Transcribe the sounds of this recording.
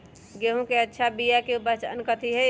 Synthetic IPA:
ɡeɦũkeətːʃʰabijakeubət͡ʃə̰nkət̪iɦɛ

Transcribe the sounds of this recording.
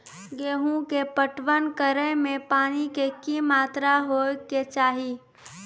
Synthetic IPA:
ɡeːɦũkepəʈʋənkəɾəmẽpaːnikekimaːt̪ɾaɦoːket͡ʃaːɦi

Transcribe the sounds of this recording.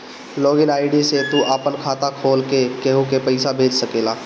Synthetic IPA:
loːɡɪnaːɪɖiset̪uʔaːpənkʰaːt̪akʰoːlkekeɦukepəɪsabʱeːd͡ʒsəkeːlaː

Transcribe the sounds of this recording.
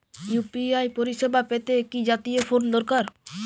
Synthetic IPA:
jupiajpoɾiʃebapet̪ekid͡ʑat̪ijefond̪ɔɾkaɾ

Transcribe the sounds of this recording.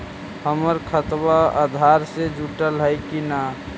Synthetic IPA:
həməɾkʰət̪waa̰d̪ʱaɾsed͡ʒuʈəlɦəjkina

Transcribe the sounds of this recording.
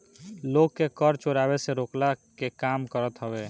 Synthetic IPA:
loːɡːekəɾt͡ʃoɾabeseɾoklakekaːmkəɾət̪ɦəbe

